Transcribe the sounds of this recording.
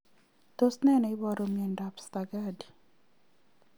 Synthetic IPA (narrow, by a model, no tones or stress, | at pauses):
tosnɛnɔibɔɾomiendapst̪aɡadi